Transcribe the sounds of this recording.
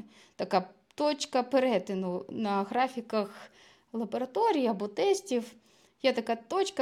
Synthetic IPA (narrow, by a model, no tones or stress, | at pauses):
t̪ɐka | t̪ɔt͡ɕkɐpɛɾɛt̪ɪnʊnɐɣɾafʲikɐx | lˠɐbɐɾɐt̪ɔɾʲijiɐbɔt̪ɛsʲtʲif | jat̪ɐkat̪ɔt͡ɕkɐ